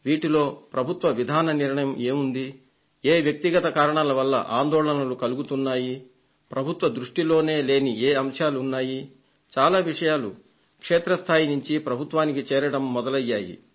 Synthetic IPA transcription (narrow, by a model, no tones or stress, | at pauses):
ʋiːʈilo̞ːpɾɐbʱut̪ʋɐʋid̪ʱaːnɐniɾɳɐjɐmeːmund̪i | eːʋjɐk̚t̪iɡɐt̪ɐkaːɾɐɳalɐʋɐlːɐ̰ʔaːnd̪ɔːɭɐnɐlukɐluɡut̪unːaːji | pɾɐbʱut̪ʋɐd̪ɾuʂʈilo̞ːne̞ːle̞ːnieːɐmʂaːluunːaːji | t͡ʃaːlaːʋiʂɐjaːlṵ | kʂeːt̪ɾɐst̪ʰaːjinuɲt͡ʃipɾɐbʱut̪ʋaːnikit͡ʃɛːɾɐɽɐmːɔd̪ɐlɐjːaːjḭ